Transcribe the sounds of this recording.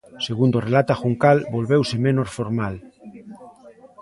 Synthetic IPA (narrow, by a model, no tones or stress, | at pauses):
seɣ̞und̪orelat̪axuŋkalbolβewsemẽnosfoɾmal